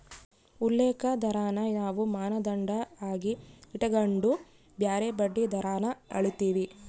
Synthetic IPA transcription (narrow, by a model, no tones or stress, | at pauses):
ulːeːkɐd̪ɐɾaːnɐnaːʋumaːnɐd̪ɐɳɖɐaːɡiiʈɐɡɐɳɖu | bjaːɾebɐɖːid̪ɐɾaːnɐɐ̰ɭit̪iːʋi